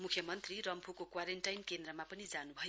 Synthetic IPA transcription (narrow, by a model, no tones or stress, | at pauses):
mukʰjʌmʌnt̪rirʌmpʰukokwaɾenʈajnkend̪rʌmapʌnid͡zanubʱʌ